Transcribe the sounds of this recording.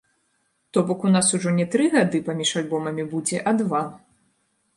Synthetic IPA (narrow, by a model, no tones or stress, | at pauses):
t̪ɔbɔkunasuʐɔnʲɛt̪ɾɨɣad̪ɨpamʲiʂalʲbɔmɐmʲibud͡zʲɛʔad̪va